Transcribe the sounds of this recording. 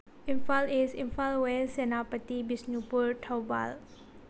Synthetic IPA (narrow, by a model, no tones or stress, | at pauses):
ĩnfalisĩnfalwesɛnapət̪ibisnupuɾtʰawba̰l